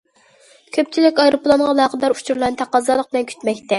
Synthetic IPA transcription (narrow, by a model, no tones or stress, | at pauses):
kʲʰøp̚t͡ʃʰilɪkʲɑjɾoplˠɑnʁɑlˠɑːqəd̪ɑɾut͡ʃʰuɾlˠɑnt̪ʰæqɑzɑlˠəq̚b̥ɪlɛnkʲʰy̥t̪mɛk̚ʲt̪ɛ